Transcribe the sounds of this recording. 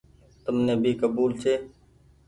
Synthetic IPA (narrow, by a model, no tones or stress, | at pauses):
t̪əmnẽːbʱiːkəbuːlt͡ʃʰeː